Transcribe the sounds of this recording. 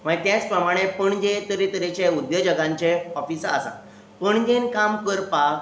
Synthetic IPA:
m̤ə̃t̪jãt͡spɾəmaɽ̃epəɳd͡ʑet̪əɾet̪əɾet͡ɕeud̪jəd͡ʑəɡãɲt͡ɕeɔfisəsã̰ | pəɳd͡ʑenkamkəɾpa

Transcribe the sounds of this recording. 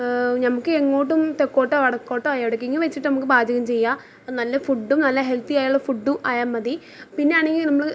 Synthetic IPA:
nɐmukːɨeŋːo̞ːʈ̬ːumt̪ekːo̞ːʈːɨɐɽɐkːo̞ːʈːɐɐjɐɽɐk̬ːiŋːumʋet͡ɕːiʈːɨnɐmukːɨbaːd͡ʑʱɐɣɐmt͡ɕe̞jːa | nɐlːɐfuɖːumnɐlːɐɦe̞lt̪ijaːjuɭːɐfuɖːumʔaːjaːmːɐði | pinːe̞aːɳe̞ŋɡilnɐmːɐɭɨ

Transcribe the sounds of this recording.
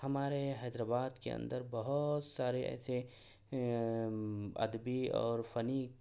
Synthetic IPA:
hɐmaːɾeɦɛːd̪ɾaːbaːd̪kḛɐ̰̃nd̪əɾbɐɦʊt̪saːɾeʔɛ̰ːse | ɐ̰d̪biɔ̰ːɾfɐniː

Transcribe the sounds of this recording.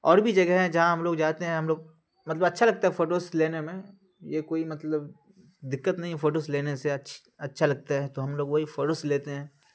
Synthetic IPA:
ɔːɾbʱid͡ʒɐɡəɦɦɛ̃d͡ʒɐɦãɦɐmloːɡd͡ʒaːt̪eɦɛ̃ɦɐmloːɡ̚ | mɐt̪ləbɐtːʃʰalɐɡ̚t̪aɦɛfoːʈoːsleːnemẽ | jekoːimɐt̪ləb | d̪ɪkːət̪nɐɦĩfoːʈoːsleːneseɐtːʃʰ | ɐtːʃʰalɐɡ̚t̪aɦɛt̪oɦɐmloːɡʋoɦifoːʈosleːt̪eɦɛ̃ː

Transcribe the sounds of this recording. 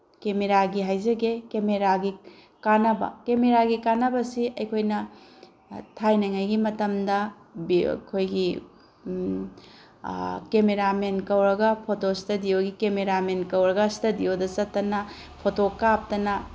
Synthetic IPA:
kemeɾaɡiɦajzɐɡekemeɾaɡi | kanɐbɐ̰kemeɾaɡikanɐbɐsiʔɐjkʰojnɐ | tʰajnɐŋajɡimɐtɐmdɐ | b̰kʰojɡi | kemeɾamenkɐwɾɐɡɐpʰotostɐdijoɡikemeɾamenkɐwɾɐɡɐstɐdijodɐt͡ʃɐtːɐnɐ | pʰotokap̚tɐnɐ

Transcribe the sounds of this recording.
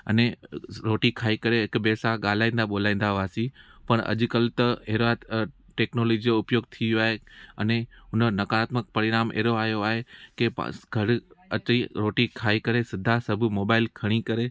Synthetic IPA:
ɐ̰neɾoːʈikʰaːikɐɾeɦɪkbɛːsaɠaːl̤aːĩːnd̪aɓoːl̤aːĩːn̆d̪aʋaːsipɐɳ̃ɐ̰ʄkɐlt̪ɐeːɾaʈeːknoːloːd͡ʑioʊpjoːɡ̚t̪ʰiʋjoaːɦeɐneɦʊnənɐkaːt̪mək̚pɐɾɪɾaːmḛːɾoaːɦjoaːɦekḛɡʱɐɾɐt͡ɕiɾoːʈikʰaːikɐɾesɪd̪ʱasɐbʱmoːbaːɪlkʰɐɽ̃ikɐɾe

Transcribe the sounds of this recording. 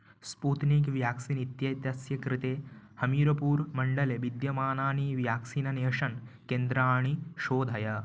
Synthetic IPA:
spuːt̪nikʋjaːksiːnit̪jɐt̪jɐsjɐkɾɪt̪eː | hɐmiːɾɐpuːɾmɐɳɖɐleʋid̪jɐmaːnaːɳiːʋjaːksiːnɐneɐʃɐnkend̪ɾaːɳ̃iʃoːd̪ʱɐja

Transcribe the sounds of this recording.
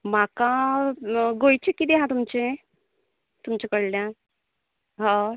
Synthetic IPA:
m̤aka | ɡojt͡ɕekːid̪eɦãt̪umt͡ɕe | t̪umt͡ɕekəɽljã | ɦã

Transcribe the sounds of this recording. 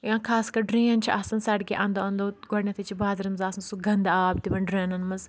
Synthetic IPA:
jãːkʰaːskɐɾɖɾiːɐnt͡ʃʰiʔɐsɐnsɐʈɡʲiʔɐnd̪oɐnd̪oɡɔɽnʲɐt̪ʰɐt͡ʃʰibaːzɐɾɐmzaːsɐnsuɡɐnd̪aaːbt̪iʋɐnɖɾeːnɐnmɐz

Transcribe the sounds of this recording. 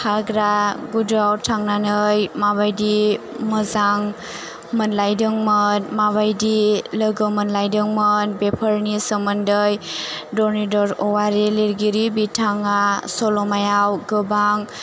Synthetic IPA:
haɡɾaɡudawtʰaŋnanɯjmabajdi | məzaŋ | mənlajdɯŋmənmaβajdiləɡɯmənlajdɯŋmənbepʰəɾnisəməndɯjdɔɾnidɔɾɔwaɾiliɾɡiɾibitʰaŋasɔlɔmajawɡɯbaŋ

